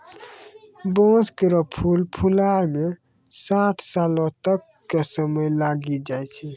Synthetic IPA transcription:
bɔ̃skeɾɔpʰulpʰulajme | saʈʰsalɔ̃t̪əkːesəməjlaɡid͡ʒajt͡ʃʰɛ

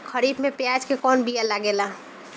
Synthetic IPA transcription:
kʰəɾibmepjad͡ʒkekɔːnbijalaɡela

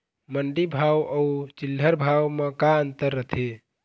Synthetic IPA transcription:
məɳɖibʱawəut͡ʃilːəɾbʱawmekaənt̪əɾːət̪ʰe

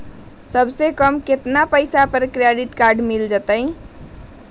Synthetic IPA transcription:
səbsekəmket̪napəɪsapəɾkɾeɖiʈkaɾɖmild͡ʒət̪əɪ

